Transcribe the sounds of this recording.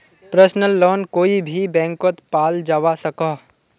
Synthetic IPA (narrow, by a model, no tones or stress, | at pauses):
pɾəsnəlːoːnkoːibʱibɛ̃ːŋkot̪paːld͡ʒaːʋasɐka